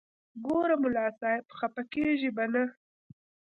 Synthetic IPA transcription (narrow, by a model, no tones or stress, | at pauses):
ɡoɾamʊlɑsɑɪbxapakeʒibana